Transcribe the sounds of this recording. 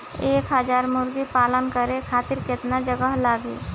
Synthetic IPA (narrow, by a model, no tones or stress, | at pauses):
eːkɦəd͡ʒaɾmʊɾɡipalənkəɾekʰat̪iɾket̪nad͡ʒəɡəɦlaɡḭ